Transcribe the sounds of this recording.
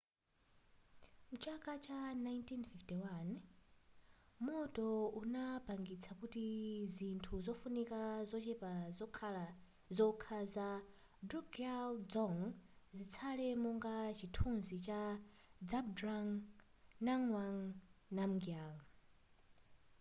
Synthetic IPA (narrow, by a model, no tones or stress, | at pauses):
mut͡ʃʰakʼat͡ʃanajntʰinfiftiwan | mɔtʼɔunabaŋɡit͡sʰakutizintʰuzɔfunikazɔt͡ʃɛpa | zɔkʰaza | duɡald͡zɔŋzit͡sʰalɛmɔŋɡat͡ʃitʰunzit͡ʃa | d͡zabdɾaŋ | naŋwaŋnamɡial